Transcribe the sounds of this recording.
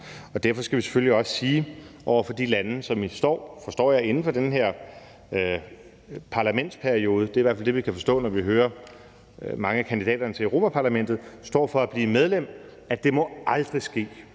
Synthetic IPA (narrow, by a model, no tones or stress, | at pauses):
ɒ̽d̥æɐfɒ̽sɡ̥æʋise̥føliɒ̽ssiːʔɒʊ̰ɐfɒ̽d̥ilænəsɒ̽misd̥ɒ̰ːfɒ̽sd̥ɒ̰ːjɑ̈ɪe̝nn̩fɒ̽d̥enɦeɐ̰ | pʰɑ̈læmen̰d̥spʰæɐio̝ːð̞ˠəd̥e̝ɐiʋæɐ̰fæld̥e̝ʋikʰæfɒ̽sd̥ɔ̰̽ːnɒʋiɦøːɐ | mɑ̈ŋəækʰænd̥id̥ɛ̰ːd̥ɐnət͡sʰe̝ʁo̝̰ːmæpʰɑ̈læmen̰d̥ð̩ˠsd̥ɒ̰ːfɒ̽æb̥liːmeð̞ˠlem̰ | æd̥e̝mɒ̽ɑ̈ld̥ʁisɡ̥e̝̰ː